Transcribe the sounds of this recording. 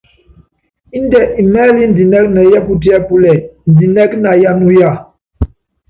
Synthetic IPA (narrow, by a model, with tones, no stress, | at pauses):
i˦ndɛ˨ʔi˨mɛː˦li˦n̩˨di˨nɛ˦k̚nə˨jɛ˦pu˦t̬i˦ɛ˦pu˦lɛ˨n̩˨di˨nɛ˦kna˨ja˦nu˦ja˦˨